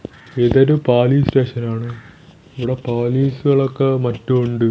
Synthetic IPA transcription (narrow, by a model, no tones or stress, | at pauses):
eðɐɾupaːliːste̞ːʂɐnaːɳɨ | iʋiɽe̞paːliːsɨɣɐɭokːemɐtːuuɳɖɨ